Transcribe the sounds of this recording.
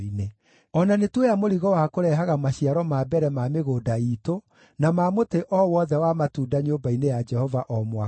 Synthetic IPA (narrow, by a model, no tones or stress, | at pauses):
ine | ɔnanetwejamoɾiɣɔwakoɾɛːɦaɣamaɕiaɾɔmaːbɛɾɛmameɣoːdaiːto | namaːmoteʔɔwɔðɛwamatuːndaɲoːbainejad͡ʒɛhɔvaʔɔmwa